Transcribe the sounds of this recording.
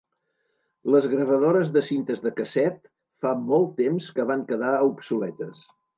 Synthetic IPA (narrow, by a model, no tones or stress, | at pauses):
ləzɣɾəβəðoɾəzðəsint̪əzðəkəsɛt̪ | famɔlˠt̪ːemskəβ̞aŋkəðaupsulɛt̪əs